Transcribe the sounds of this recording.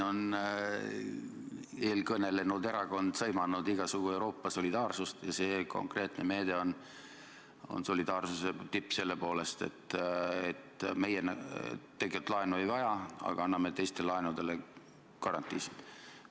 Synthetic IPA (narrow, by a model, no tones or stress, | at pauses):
o̞n | e̞ːlkɤne̞le̞nud̪e̞ɾɑɡo̞nd̪̥sɤjmɑnːud̪iɡ̥ɑsuɡ̥ue̞wɾo̞ːpːɑso̞lʲid̪̥ɑːrsust̪jɑse̞ːko̞̰ŋkre̞ːt̪ne̞me̞ːd̪̥e̞o̞n | o̞̰nso̞lid̪̥ɑːrsuse̞t̪ipːse̞lːe̞po̞ːle̞st̪e̞̰t̪ːet̪ːme̞jenː | e̞ɡet̪ːˑlɑenue̞jvɑjɑɑ̰ɡ̥ɑɑnːɑmet̪e̞jst̪e̞lɑenud̪e̞le | kɑɾɑnt̪ːˑiːsid̪̥